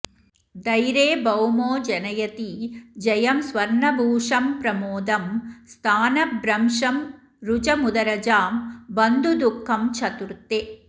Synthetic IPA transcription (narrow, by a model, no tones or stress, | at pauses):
d̪ɐjɾeːbɐwmoːd͡ʒɐnɐjɐt̪id͡ʒɐjɐmsʋɐɾɳɐbʱuːʂɐmpɾɐmoːd̪ɐmst̪ʰaːnɐbɾɐmʂɐm | ɾud͡ʒɐmud̪ɐɾɐd͡ʒaːmbɐnd̪ud̪ukʰːɐmt͡ʃʰɐt̪uɾt̪ːeː